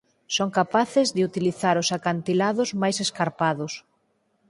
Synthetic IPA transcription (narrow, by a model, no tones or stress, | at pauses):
soŋkapaθɪzðɪut̪iliθaɾʊsakant̪ilaðʊzmajseskaɾpaðʊs